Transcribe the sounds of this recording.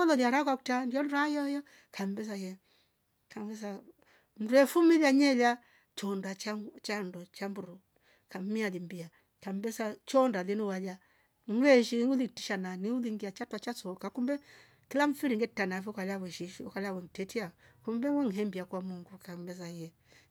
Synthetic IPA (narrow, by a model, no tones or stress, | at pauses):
ɔlɔliaɾakwakutandiɔnajɔjɔ | kambɛzajɛ | kambɛza | m̩duɛfumiljaɲɛla | t͡ʃɔndat͡ʃat͡ʃandɔt͡ʃambuɾɔ | kam̩mialimbia | kambɛsat͡ʃɔndalinuwala | ŋ̩ɡɛʃiŋulitiʃananiuliŋɡiat͡ʃatwat͡ʃasɔkakumbɛ | kilaɱ̩fiɾiŋɡɛtanafukalawɛʃiʃkalawɛŋ̩tɛtiakumbɛwɛŋ̩ɦɛmbiakwamuŋɡukambɛzajɛ